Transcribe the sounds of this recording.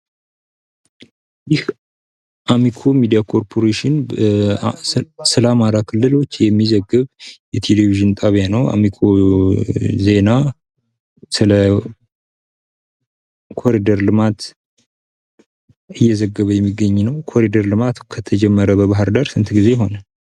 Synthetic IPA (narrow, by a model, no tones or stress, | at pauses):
jɪh | ʔamikʰo̞mid̪ijakʰo̞ɾpʰo̞ɾeʃɪn | sɨlamaɾakʰɨlːɨlo̞t͡ʃːjɛmːizəɡːɨβjɛt̪ʰe̞leviʒɨnt̪ʼaβijanəwa̰mikʰo̞ | ze̞na | sɨlə | kʰo̞ɾid̪əɾlɨmat̪ | ɨjːɛzəɡːəβəjɛmːiɡːəɲːnəwkʰo̞ɾid̪əɾlɨmat̪kʰət̪ʰəd͡ʒɛmːəɾəbəβaɦɨɾd̪aɾsɨnt̪ʰɡize̞ɦo̞nə